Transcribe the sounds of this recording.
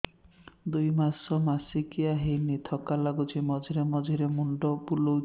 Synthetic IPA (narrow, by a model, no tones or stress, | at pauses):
d̪ujmasɔmasikiaɦejnit̪ʰɔkalaɡut͡ʃʰimɔd͡ʒʱiɾemɔd͡ʒʱiɾemuɳɖɔbulo